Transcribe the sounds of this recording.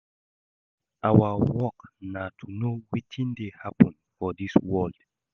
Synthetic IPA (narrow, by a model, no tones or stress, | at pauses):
ʔawawɔknatʰunowitʰĩndehapə̃n | fɔdiswɔld̥